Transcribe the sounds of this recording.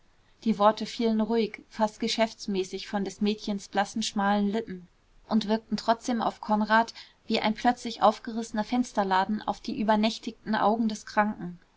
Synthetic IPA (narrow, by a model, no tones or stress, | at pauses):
d̥iːvɔɐtəfiːlənʁuɪçfast̚ɡ̥əʃɛft͡smɛːsɪçfɔndɛsmɛːtçənsb̥lasn̩ʃmaːlənlɪpm̩ | ʔʊntv̥ɪɐk̚tn̩tʁ̥ɔt͡sd̥eːma̰ʊfkʰɔnʁaːt | v̥iːʔa̰ɪnpʰl̥œt͡slɪçʔa̰ʊfɡ̥əʁɪsənɐfɛnstɐlaːdn̩ʔa̰ʊfd̥iːʔyːbɐnɛçtɪktn̩ʔa̰ʊɡŋ̩dɛskʁ̥aŋkŋ̩